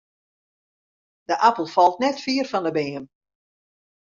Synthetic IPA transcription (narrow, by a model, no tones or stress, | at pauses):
d̥əʔapəlˠfɔlˠtnɛtfiːərfɔndəbeːəm